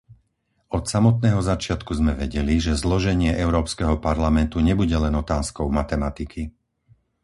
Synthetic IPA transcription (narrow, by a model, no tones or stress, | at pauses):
ɔt̪samɔt̪̚nɛːɦɔzat͡ʃɪat̪kuzmɛʋɛɟɛliʒɛzlɔʒɛɲɪɛʔɛʊɾɔːpskɛɦɔpaɾlamɛnt̪uɲɛbuɟɛlɛnɔt̪aːskɔʊmat̪ɛmat̪ikʰi